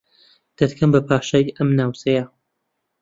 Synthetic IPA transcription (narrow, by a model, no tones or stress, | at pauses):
d̪̥ɐt̪kʰɐmbɐpʰaːʃɐjɐmnaːwt͡sɐjɐ